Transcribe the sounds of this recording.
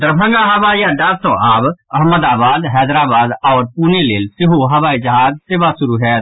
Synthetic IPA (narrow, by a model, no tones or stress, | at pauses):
d̪ɐɾbʱə̃ŋɡaɦɐʋaːijãɖaːɾsɔ̃ːʔaːbɐɦməd̪aːbaːd̪ɦɛːd̪ɾaːbaːd̪ɔːɾpʊneleːlsɪɦoɦɐʋaːid͡ʒɐɦaːd͡ʒseːʋasʊɾuɦɛː